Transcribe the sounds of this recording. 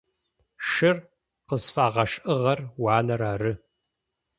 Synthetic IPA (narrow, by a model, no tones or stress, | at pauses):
ʃɨr | qəzfaːʁɐʂʔɨʁɐrwaːnɐɾaːrɨ